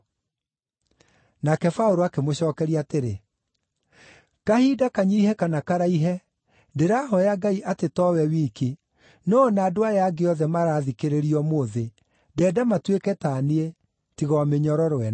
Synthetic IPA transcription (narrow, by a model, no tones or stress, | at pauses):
nakɛfaoɾoakemoɕɔːkɛɾiateɾe | kahiːdakaɲiihɛkanakaɾaiɦɛ | deɾaɦɔjaɡaiʔatetɔwɛwiki | nɔnaːdoajaɡeɔðɛmaɾaːðikeɾeɾiɔmoðe | dɛːdamatwekɛtanie | tiɣɔameɲɔɾɔɾwɛn